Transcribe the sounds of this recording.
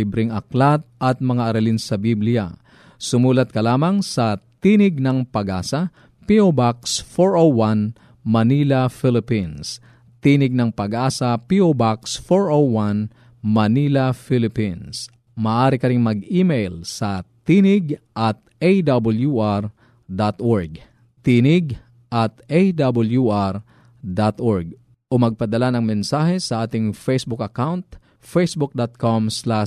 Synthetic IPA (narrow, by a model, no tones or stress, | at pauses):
ibɾɪŋɐklat̪̚ʔɐt̪̚mɐŋaʔɐɾɐlinsɐbiblɪja̰ | sʊmuːlɐt̪̚kɐlaːmɐŋsɐt̪iːnɪɡ̚nɐŋpɐɡʔaːsɐ | piʔobaksfoɹʔowwan | mɐniːlɐfɪlɪpins | t̪inɪɡ̚nɐŋpɐɡʔaːsɐpiʔobaksfoɹʔowan | mɐnilɐfilɪpins | mɐːʔaːɾɪkɐɾiŋmɐɡimejlsɐt̪inɪɡʔɐt̪̚ʔejd̪abɐljuʔaɾ | d̪at̪ʔoɹɡ | t̪iːnɪɡ | ʔɐt̪ejd̪abɐljuʔaɾ | d̪at̪ʔoɹɡ̚ | ʔomɐɡ̚pɐd̪ɐlanɐŋmɛnsaːhɛsɐʔaːt̪ɪŋfejsbʊkɐkawnt̪ | fejsbʊk̚d̪at̪̚komsla